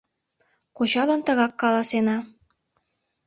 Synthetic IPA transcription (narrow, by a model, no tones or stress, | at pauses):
kot͡ɕɑlɤnt̪ə̆ɣɑkːɑlɑsenɑ